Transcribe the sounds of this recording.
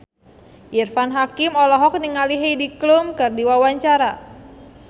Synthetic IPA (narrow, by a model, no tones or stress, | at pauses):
ʔirfanɦakimɔlɔɦɔk̚niŋaliɦejdiklumkɨrdiwawaɲt͡ʃaɾa